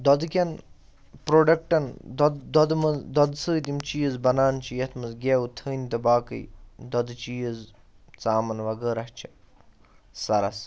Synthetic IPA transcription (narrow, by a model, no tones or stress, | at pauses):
d̪ɔd̪ɨkʲɐn | pɾoːɖɐk̚ʈɐnd̪d̪ɔd̪mɐd̪ɔd̪səːt̪imt͡ʃijəzbɐnaːnt͡ʃʰijɐt̪ʰmɐzɡʲeːut̪ʰəːnʲit̪ɐbaːkə̰jd̪ɔd̪ɨt͡ʃiːəz | t͡saːmɐnʋɐɡəːɾɐht͡ʃʰi̥ | sɐɾɐs